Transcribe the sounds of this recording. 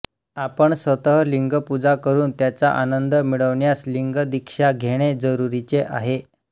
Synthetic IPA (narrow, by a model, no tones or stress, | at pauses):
apəɳsʋət̪əɦliŋɡəpud͡zakəɾuːnt̪jat͡saʔanənd̪əmiɭəʋɳjasliŋɡəd̪ikʂaɡʱeɽ̃ed͡zəɾuɾit͡seʔa̰ɦe